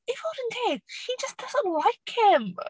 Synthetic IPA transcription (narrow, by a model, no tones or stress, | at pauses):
ɪfoɾɨ̃ndʰeɪʃid͡ʒʌsd̥ʌzə̃nʔlaɪkhɪ̃m